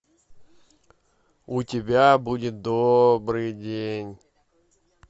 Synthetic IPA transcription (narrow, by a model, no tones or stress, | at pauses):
ʊtʲɪbʲabudʲɪt̪̚d̪obɾɨjdʲenʲ